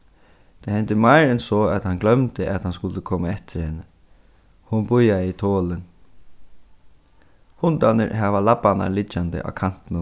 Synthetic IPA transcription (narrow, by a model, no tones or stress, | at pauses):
t̪ʰahɛnt̪ɪmajɾɪnsɔːæt̪hanɡlœmt̪ɪʔat̪hanskʊlt̪əkʰɔːmaɛht̪ɪɾhɪnːə | hʊnbʊjait̪ʰoːlɪn | hʊnt̪anɪ̰ɾhaʋalapana̰lɪt͡ʃːand̪ə̰ʔa̰kʰan̥t̪ɪnʊ